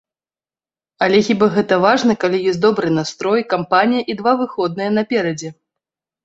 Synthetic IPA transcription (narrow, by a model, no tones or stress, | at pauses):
alʲɛxʲibaɣɛt̪ɐvaʐnɐkalʲijɔsʲt̬̪̚ʲd̪ɔbɾɨnast̪ɾɔjkampanʲijɐʔid̪vavɨxɔd̪̚nɨjɛɐnɐpʲɛɾɐd͡zʲɛ